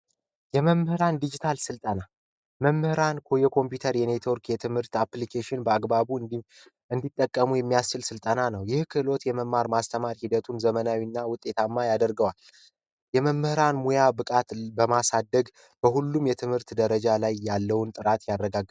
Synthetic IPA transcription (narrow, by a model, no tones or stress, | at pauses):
jɛməmːɨhɾand̪id͡ʒit̪ʰalsɨlt̪ʼəna | məmːɨhɾankʰojɛkʰo̞mpjut̪ʰəɾjɛne̞t̪ʰo̞ɾkʰjɛt̪ʰɨmhɨɾt̪aplikʰeʃɪnbəaɡbaβu | ɨnd̪it̪ʼːəkʼːəmujɛmːijast͡ʃɪlsɨlt̪ʼənanəwjɪhkʰɨlo̞t̪jɛməmːaɾmast̪ʰəmaɾhid̪ət̪ʰunzəmənawinːawʊt̪ʼːet̪ʰamːajad̪əɾɡəwal | jɛməmːɨhɨɾanmojabɨkʼat̪bəmasad̪ːəɡ | b̥əhulːumjɛt̪ʰɨmhɨɾt̪d̪əɾəd͡ʒalajːalːəwnt̪ʼɨɾat̪jarːəɡaɡ